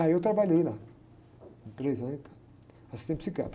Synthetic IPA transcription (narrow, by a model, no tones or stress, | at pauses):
aiewt̪ɾabaʎejla | ĩpɾezaĩt̪ḁ | asi̥t̪ẽpsikia̰t̪